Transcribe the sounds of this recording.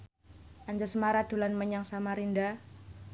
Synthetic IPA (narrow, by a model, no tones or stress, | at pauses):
ʔaɲd͡ʒasmaɾad̪̥o̤lanməɲaŋsamaɾinda